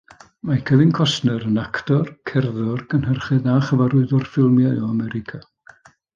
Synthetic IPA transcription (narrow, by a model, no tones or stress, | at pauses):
makʰəvɪnkʰɔsnəɾənaktɔrkʰɛrðɔrɡənhərχɨðaχəvaɾʊɨðɔrfɪlˠmjaɔamɛɾɪkʰa